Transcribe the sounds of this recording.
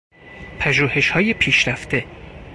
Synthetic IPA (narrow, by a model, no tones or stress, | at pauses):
pʰæʒuːhe̞ʃhɒːjepʰiːʃɾæft̪ʰe̞